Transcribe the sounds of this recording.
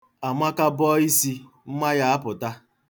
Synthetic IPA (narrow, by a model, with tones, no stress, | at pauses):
a˨mʷa˦ka˦bɔ˦i˦si˦ | m̩˦ma˦ja˦a˦pʊ˨ta˦